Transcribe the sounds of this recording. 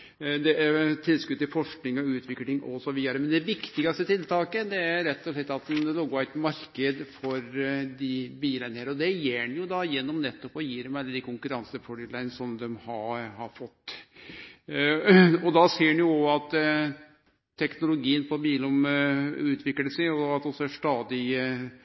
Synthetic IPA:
d̪ɛʔæɾt̪ʰɪlskʉd̪̚t̪ːɪlfɔʂknɪŋɔʉːt̪ʰʋɪklɪŋʔɔsɔʋiːd̪ɑɾəmɛnd̪ɛʋɪkt̪ɪɡɑst̪ət̪ʰɪlt̪ʰɑːkəd̪ɛæɾɾɛt̪ːɔʂɭɛt̪ːɑt̪̚d̪ɛnlɔɡæɪt̪mɑɾkəd̪fɔɾd̪ɪbiːlənəɾɔd̪ɛjeːɳjʊd̪ɑjɛnːɔmnɛt̪ːɔpɔjiːɾəmɛɑlːəd̪ɪkʰʊŋkʉɾɑnsəfɔɾɪlæɪnsɔmd̪ɛmhɑhɑɾfɔt̪ː | ɔd̪ɑseːɖnjʊɔɑt̪ː | t̪ʰːɛknʊlʊɡiːənpɔbiːlɔmʉːt̪ʰʋɪkləʂɛɪɔɑt̪ɔsɔʂʈ̪ɑːd̪ɪ

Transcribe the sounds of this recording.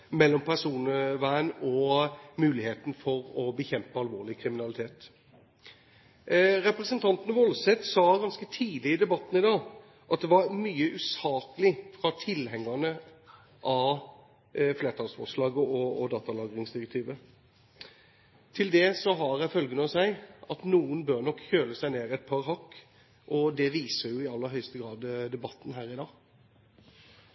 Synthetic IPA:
mɛlːɔmpʰæʁʂuːnəʋæɪənɔmʉːlɪheːt̪n̩fɔɾɔbəçɛmpəɑlʋoːʁɭɪkʰɾɪmɪnɑlɪt̪ʰeːt̪ | ɾɛpɾɛsənt̪ʰɑnt̪ənəʋɔlsɛt̪sɑːɡɑnskət̪ʰiːd̪ɪɪd̪ɛbɑt̪ːnɪd̪ɑː | ʔɑt̪̚d̪ɛʋɑɾmyːəʔʉːsɑːkəlɪfɾɑt̪ʰɪlhɛŋːənə | ʔɑ | fleːʁt̪ʰɑːlsfɔ̰ʂlɑːɡəɔɔd̪ɑːt̪ɑlɑːɡɾɪŋsd̪ɪʁɛk̚t̪ʰiːʋə | t̪ʰɪld̪ɛsɔɦɑɾæfœlɡənɔsæɪʔɑt̪nuːənbøɾnɔkːçøːləsæɪneːɾɪɛt̪̚pʰɑɾɦɑkː | ʔɔd̪ɛʋiːsəɾjʊɪɑlːəɾɦœʏst̪əɡɾɑːd̪d̪ɛbɑt̪ːn̩ɦæːɾɪd̪ɑː

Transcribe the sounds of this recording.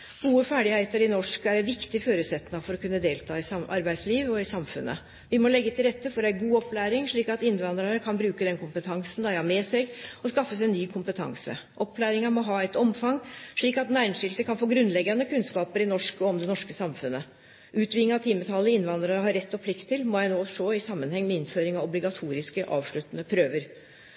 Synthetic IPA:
ɡ̥uːəfæːɖɪhæɪt̪əɾɪnɔʂkæɾɛnʋɪkt̪ɪføːɾʉːt̪sɛt̪nɑfɔɾɔkʰʉnːəd̪eːlt̪ʰɑːɪsɑʔɑ̰ɾbæɪd̪sliːʋɔɪsɑmfʉ̰nːə̰ | ʋɪmɔlɛɡːət̪ʰɪlɾɛt̪ːəfɔɾæɡuːɔpːlæːɾɪŋʂɭiːkɑt̪ɪnːʋɑnd̪ɾɑɾəkʰɑnbɾʉːkəd̪ɛnkʰʊmpət̪ʰɑŋsnd̪æɪhɑmeːsɛɡɔskɑfːəsɛnːyːkʰʊmpət̪ʰɑ̰ŋsə̰ʔɔpʰːlæːɾɪŋɑmɔɦɑːæɪt̪ɔmfɑŋʂɭiːkɑt̪næɪnʂɪlt̪əkʰɑnfoːɡɾʉnːlɛɡːɑnəkʉnskɑːpəɾɪnɔʂkɔɔmd̪ɛnɔʂkəsɑmfʉnːə | ʉːt̪ʰʋɪŋːəɑt̪ʰiːmət̪ʰɑlːəɪnʋɑnd̪ɾɑɾəɦɑɾːɛt̪ːɔpʰlɪkt̪ʰːɪlmɔjæɪnoːʂoːɪsɑmːənhɛŋːmɛɪnføːɾɪŋɑʋɔblɪɡɑt̪ʰuːɾɪskəʔɑ̰ːʋʂɭʉt̪ːənəpʰɾøːʋəɾ

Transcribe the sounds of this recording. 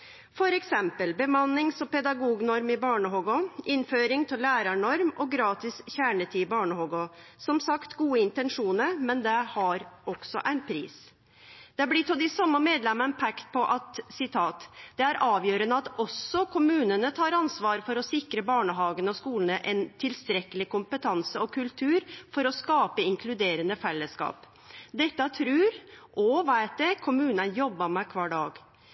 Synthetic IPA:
fɔɾɛksɛmpəlbəmɑnːɪŋsɔpɛd̪ɑɡuːɡnɔɾmɪbɑːɳəɦɔɡɔʔɪnføːɾɪŋt̪ʰɪlæːɾɑɳɔɾmɔɡɾɑːt̪ɪsçæːɳət̪ʰiːɪbɑːɳəhɔɡɔsɔmsɑkt̪ɡuːəɪnt̪ɛnʂuːnəɾmɛnd̪ɛhɑɾɔksɔ̰ʔæɪnpʰɾḭːs | d̪̥ɛæblɪt̪ʰɔd̪ɪsɑmːəmeːd̪lɛməpʰɛkt̪pʰɔʔɑt̪sɪt̪ʰɑːt̪d̪̥ɛæɾʔɑːʋjøːɾənəɑt̪ɔsːɔkʰʊmʉːnənət̪ʰɑːɾɑnsʋɑːɾfɔɾɔsɪkɾəbɑːɳəɦɑːɡənɔskuːlən̩əʔɛnt̪ʰɪlst̪ɾɛkːəlɪkʊmpət̪ʰɑnsəɔkʰʉlt̪ʰʉːɾfɔɾɔskɑːpəɪŋkʰlʉd̪eːɾənəfɛlːəskɑ̰ːp | d̪ɛt̪ːət̪ʰɾʉːɾʔɔʋæɪt̪̚d̪ɛkʰʊmʉːnənjɔbːəmɛkʰʋɑːɖɑːɡ

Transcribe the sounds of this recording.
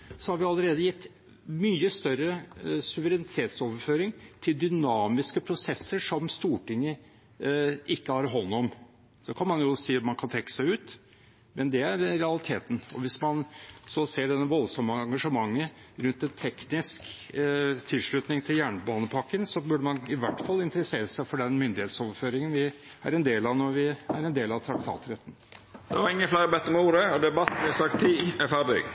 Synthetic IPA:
sɔhɑɾʋɪɑlːəɾeːd̪əjɪt̪ː | myːəst̪œɾəsʉʋəɾɛnɪt̪ʰeːt̪soːʋəɾføːɾɪŋt̪ʰɪld̪ʏnɑːmɪskəpʰɾʊsɛsːəʂɔmst̪uːʈɪŋːə | ʔɪkːəhɑɾɦɔnːɔm | d̪ɔkʰɑnmɑnjʊsiːt̪mɑnkʰɑnt̪ʰɾɛkːə̥sæɪʉːt̪ | mɛnd̪ɛæɾɾɛɑlɪt̪ʰeːt̪ən̩ɔʋɪsmɑnsɔseːɖɛnːəʋɔlsɔmːəɑŋɡɑʂəmɑŋːəɾʉnt̪ɛnt̪ʰɛknɪsk | t̪ʰɪlʂɭʉt̪nɪŋt̪ʰɪljæːɳəbɑːnəpʰɑkːənsɔbʉːɖəmɑnɪʋæʈːfɑlːɪnt̪əɾəseːɾəsæɪfɔɖɛnmʏnd̪ɪheːt̪sɔːʋəɾføːɾɪŋənʋɪ | æ̰ɾɛnd̪eːlɑʋnɔɾʋɪæ̰ɾɛnd̪eːlɑʋt̪ʰɾɑk̚t̪ʰɑ̰ːt̪ɾɛt̪ːn̩d̪ɛʋɑɾɪŋːəflæɪɾəbɛt̪ːəɾmɛuːɾəɔd̪ɛbɑt̪ːblɪhɑsɑk̚t̪ʰːiːɛfæʁdy̰ɡ

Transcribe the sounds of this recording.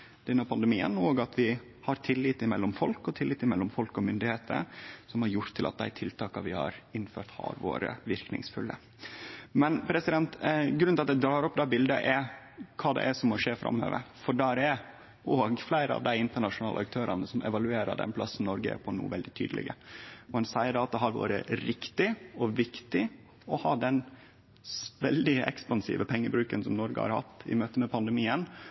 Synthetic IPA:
d̪̥ɛnːɑpʰɑnd̪əmiːə̰noːɡɑt̪ʰʋɪ | hɑɾt̪ʰɪlːɪt̪ɪmɛlːɔmfɔlkɔt̪ʰɪlːɪːt̪ɪmɛlːɔmfɔlkɔmʏnd̪ɪheːt̪ʰə̰sɔmhɑɾjʊɾt̪ʰːɪlɑt̪̚d̪æɪt̪ʰɪlt̪ʰɑːkɑʋɪhɑ̰ɾɪnføːɾt̪hɑ̰ɾʋo̰ːɾə̰ʋɪɾknɪ̰ŋsfʉlːə | mɛnpʰɾɛsɪd̪ɛnt̪ɡɾʉnɑt̪d̪ɛd̪ɾɑːɾɔpːd̪ɛːbɪld̪əʔɛɾ | kʰɑːd̪ɛ̰ʔɛsɔmːɔʂeːfɾɑ̰mːø̰ːʋə̰ɾfɔɖæːɾɛɾ | oːɡflæɪɾəɑ̰ʋd̪æɪɪnt̪əɳɑʂʊnɑːləɑk̚t̪ʰøːɾɑnəsɔmɛ̰ʋɑlʉeːɾə̰ɖɛ̰npʰlɑsːn̩nɔɾɡə̰pʰɔnṵːʋɛld̪ɪt̪ʰyːd̪lɪ̰ɡəɔhɑnsæɪəɖɑːɑt̪d̪ɛɦɑɾʋɑ̰ːɾə̰ɾɪkt̪ɪɔʋɪkt̪ɪ | ɔhɑːd̪ɛn | ʋɛld̪ɪɛ̰kspɑnsḭːʋəpʰɛŋːəbɾʉːkənsɔmnɔɾɡə̰hɑ̰ɾhɑ̰t̪ːɪ̰møːt̪əmɛpʰɑnd̪ɛmiːən

